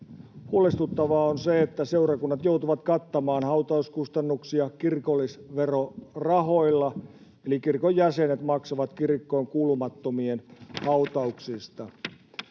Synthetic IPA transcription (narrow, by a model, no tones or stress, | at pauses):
huolest̪ut̪ːɑʋɑːonseet̪ːæse̞urɑkunːɑt̪jo̞ut̪uʋɑt̪kɑt̪ːɑmɑːnhɑwt̪ɑuskust̪ɑnːuksiɑkirkolːisʋerorɑɦo̞ilːɑ | elikirkojjæsenet̪mɑksoʋɑt̪kirkːoːŋkuːlumɑt̪ːomienhɑut̪ɑuksist̪ɑ